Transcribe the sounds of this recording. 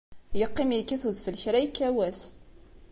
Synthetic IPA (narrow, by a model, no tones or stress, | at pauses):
jəqːɪmjkːæθuðfəlçɾæjkːæwæs